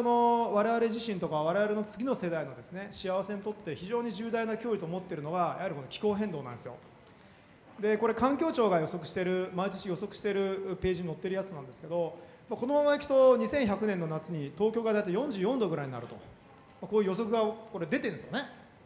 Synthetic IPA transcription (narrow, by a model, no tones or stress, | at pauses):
ono̞βaɾe̞βaɾe̞ʑiɕĩnt̪o̞kaβ̞aɾe̞βaɾe̞no̞t͡sɨɡʲino̞se̞d̪aino̞d̪e̞sɨne̞ɕiaβase̞ɲʲit̪o̞t̪ːe̞çiʑo̞ːɲ̟iʑɨːd̪ainakʲo̞ːɾit̪o̞ːmot̪ːe̞ɾɯ̟no̞ɡajʔahaɾʲiko̞no̞kʲi̥ko̞ːɦẽ̞nd̪o̞ːnã̰nd̪esjo̞̰ | d̪e̞ko̞ɾe̞kãŋkʲo̞ːt͡ɕo̞ːɡajo̞so̞kɯ̟̥ɕi̥t̪e̞ɾɯ̟mait̪o̞t͡ɕijo̞so̞kɯ̟ɕi̥t̪e̞ɾɯ̟pe̞ːʑiɲino̞t̪ːeɾɯ̟jat͡sɨnãnd̪esɨ̥ke̞d̪o̞ | mako̞no̞mamaikʲi̥t̪o̞ɲ̟isẽɰ̃çakɯ̟nẽ̞nːo̞nat͡sɨɲ̟it̪o̞ːkʲo̞ːɡad̪ait̪ajõ̞ɲ̟d͡ʑɨːjõ̞nd̪o̞ɡɯ̟ɾaiɲ̟ina̰ɾɯ̟t̪o̞̰ | mako̞ːjiɯːjo̞so̞kɯ̟ɡako̞ɾe̞d̪e̞t̪ẽ̞nd̪esjone̞